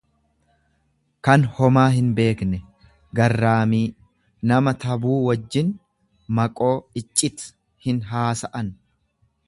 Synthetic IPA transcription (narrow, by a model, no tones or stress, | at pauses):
kɐnhɔmaːɦɪnbe̞ːknɛ | ɡɐrːaːmiː | nɐmɐt̪ɐbuːwɐd͡ʒːɪn | mɐkʼo̞ːɪt͡ʃʼːɪt̪ | hɪnɦaːsɐʔɐn